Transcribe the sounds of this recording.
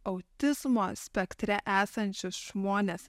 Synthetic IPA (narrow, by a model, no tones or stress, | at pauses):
ɐʊt̪ʲɪzmoːsʲpʲɛkt̪ʲɾʲɛʔæːsɐnʲt͡ʃʲɪsʒmoːnʲeːs